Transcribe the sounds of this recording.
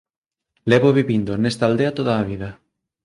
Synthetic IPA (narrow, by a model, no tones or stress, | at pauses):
lɛβoβiβind̪onɛst̪ald̪eɐt̪oðaːβ̞iðɐ